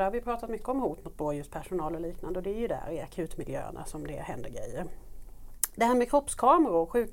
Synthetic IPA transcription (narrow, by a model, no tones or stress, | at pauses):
æɾhavɪjɵpʰɾɑːt̪at̪mʏkːəɔmhuːt̪mʊt̪̚boːd̪əjɵst̪pʰæʂʊnɑːlɔliːknand̪əɔd̪ɛæɾjɵd̪ææ̰ɾɪakʰʉ̟ːt̪mɪljø̰ːə̰na̰sɔmd̪ɛhɛnd̪əɾɡɾɛjːəɾ | d̪ɛhæːɾmɛkʰɾɔpskʰɑːməɾʊɧʉ̟ːk